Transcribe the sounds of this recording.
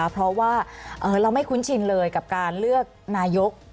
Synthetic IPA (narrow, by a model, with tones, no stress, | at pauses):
pʰɾɔ˦˥waː˥˩ʔɤː˨˩ɾa˧wma˥˩jkʰu˦˥nt͡ɕʰi˧nlɤː˧jka˨˩p̚kaː˧nlɯ˥˩ək̚naː˧jo˦˥k̚